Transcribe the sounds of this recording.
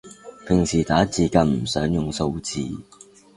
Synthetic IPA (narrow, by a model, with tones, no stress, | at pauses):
pʰɪ˨˩ŋsiː˨˩t̪aː˨˥t͡siː˨˩kɐ˧nm̩˨˩sœː˨˥ŋjʊ˨˩ŋso˧wt͡sḭː˨